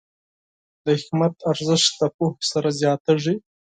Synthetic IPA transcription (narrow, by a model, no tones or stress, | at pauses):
d̪əhɪkmat̪aɾzəʃt̪lapohsaɾazjɑt̪aʐi